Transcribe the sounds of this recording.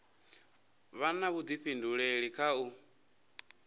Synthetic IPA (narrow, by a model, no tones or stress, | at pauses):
βanaβud͡z̪iɸʰinduɺeɺikʰau